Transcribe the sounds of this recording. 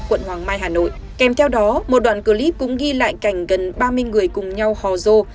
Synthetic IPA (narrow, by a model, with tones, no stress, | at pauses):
kwə̰˧˨nhwaː˨˩ŋmaː˧jɦaː˨˩no̰˧˨j | kɛ˨˩mt̪ʰɛ˧wɗɔ˨˦mo˨˩t̚ɗwa̰ː˧˨kɨ˧˩li˦˥p̚kʊ̰˧˥ŋ͡mɣi˧la̰ː˧˨jka˧˩jŋ̟ɣə˨˩nɓaː˧mɨ˧əjŋɨ˨˩əjkʊ˨˩ŋ͡mɲa˧whɔ˨˩zo˧